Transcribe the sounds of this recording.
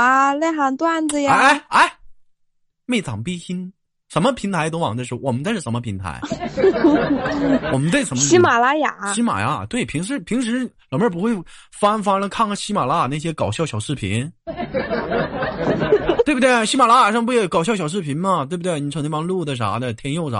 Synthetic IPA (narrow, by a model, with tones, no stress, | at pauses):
a˥˧la˥˩xa˧˥nt̪wa˥˩nd͡z̩˧jaa˧˥˩ɪa˥˩ɪ | me˥˩t͡sɑ̰˨˩ŋpi˥xi˥n | ʂə˧˥nmə˧pʰi˧˥ŋt̪ʰa˧˥ɪt̪o˥ʊwɑ˨˩ŋd̪ə˧ʂɻ̩˥˩wɔ˨˩mə˦nt͡sʂɻ̩˥˩ʂmə˧pʰi˧˥ŋt̪ʰa̰˧˥ɪ | wɔ˨˩mə˦nt̪we˥˩ɪʂə˧˥mə˧ɕi˥ma˨˩la˥ja˨˩˦ɕi˥ma̰˨˩ja̰˧˥˩t̪we˥˩ɪpʰi˧˥ŋʂɻ̩˧˥pʰi˧˥ŋʂ̬ɻ̩˧˥lɑ˨˩mə˥˩p̬u˧˥xwe˥˩ɪ | fa˥nfa˥lə˧kʰɑ˥˩ŋ˧ɕi˥ma˨˩la˥˩˨na˥˩ɕ̬jɛ˥kɑ˨˩ʊɕjɑ˥˩ʊɕjɑ˨˩ʊʂɻ̩˥˩pʰḭ˧˥n | wbu˩t̪we˥˩ɕi˥ma˨˩la˥ja˨˩ʂp̬u˥˩ɛ˥˩kɑ˨˩ʊɕjɑ˥˩ʊɕjɑ˨˩ʊʂɻ̩˥˩pʰi˧˥nmɐ˧t̪we˥˩b̪we˥˩ni˨˩ʈ͡ʂʰŋt̪ʰɑ˥ŋlu˥˩d̪ə˩ʈ͡ʂa̰˧˥d̪ə˧˩t̪ʰjɛ˥njo˥˩ʊʈ͡ʂa̰˧˥